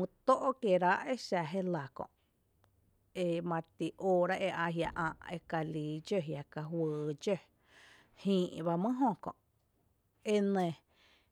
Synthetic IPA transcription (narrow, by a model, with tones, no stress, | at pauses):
ũ˧t̪o˦ʔo˦kje˨ɾa˦ʔe˦ʃa˧˨ɦe˦la˨kõ̰˧˨ʔ | e˧mã˧t̪i˨ʔoː˧ɾa˦ʔe˧ʔa˧ɦja̰˧ʔã̰ː˧˨ʔe˧ka˧liː˨d͡ʒə˧˨ɦja˨ka˧ɦwəː˨d͡ʒø˦ | hĩː˧ʔba˧mə̃˦ɦõ˦˧kõ̰˨ʔ | e˦nẽ˧